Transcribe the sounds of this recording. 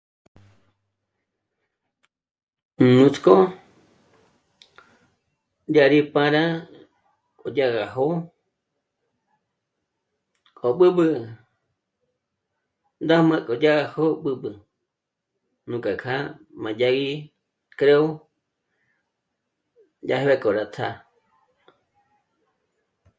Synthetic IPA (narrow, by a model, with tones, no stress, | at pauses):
nũ˧t͡sko˦ | ja˦ɾi˦pã˧ɾa˦ | kʼo˨ja˦ɣa˨ɦo˦ | kʼo˨ɓɨ˦ɓɨ˧ | nd̪a˦mã˧kʼo˨d͡ʒa˦ɣa˧ho˦ɓɨ˧ɓɨ˧ | nũ˨kʼa˨kʰa˦ | mã˨d͡ʒa˧ɣi˦ | kɾe˦o˦ | d͡ʒa˧hβe˧kʼo˨ɾa˧t̪ʰa˧